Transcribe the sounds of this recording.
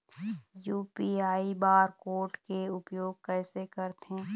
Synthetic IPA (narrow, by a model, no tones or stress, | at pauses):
juːpiaːibaːɾkoːɾʈkeʊpjoːɡ̚kɛːsekəɾt̪ɛ̃ː